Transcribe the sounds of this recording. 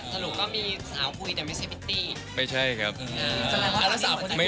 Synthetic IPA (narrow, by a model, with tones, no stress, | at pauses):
sa˧nu˨˩kːɔː˥˩miː˧saː˩˦wkʰu˧jt̪ɛ˨˩ma˥˩jt͡ɕʰa˥˩jpʰi˦˥t̪ːiː˥˩ | ma˥˩jt͡ɕʰa˥˩jkʰa˦˥p̚ʔaː˧˩˧a˧˩la˦˥saː˨˦u˧ma˥˩